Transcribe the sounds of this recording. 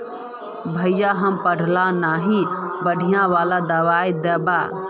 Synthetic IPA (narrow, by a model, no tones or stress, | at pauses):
bʱəjaɦəmpəɽ̤ʱlanaːɦĩbəɽʱijãʋaːlad̪əʋaːjd̪ɛba̰